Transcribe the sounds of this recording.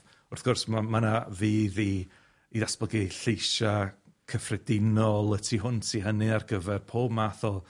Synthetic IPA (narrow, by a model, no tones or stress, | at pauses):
ʊrθɡ̥ʊrsmamanaviːði | iðasb̥əɡiɬejʃa | kʰəfrɛdɪnɔlˠətʰiɦʊntʰiɦənɨarɡəvɛrpʰoːbmaθɔ